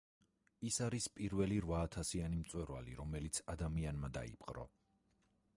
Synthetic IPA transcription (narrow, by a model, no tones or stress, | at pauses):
isaɾispʼiɾvɛliɾvaːt̪ʰasianimt̪sʼwɛɾva̰liɾɔmɛlit̪sʰad̪amianmad̪a̰ḭpʼqʼɾɔ̰